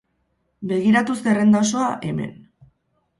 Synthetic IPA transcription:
be̞ɣ̞iɾat̪usd̪e̞rend̪asoaʔe̞me̞̰n

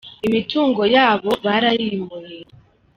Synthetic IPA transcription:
imituːŋɡo̞jaːβo̞βaɾajimujeɾ

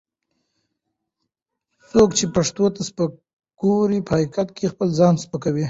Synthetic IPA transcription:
sokt͡ʃepaʂt̪ot̪aspə | ɡ̥oɾipəhaikat̪̚kexpəlzɑnspəkawi

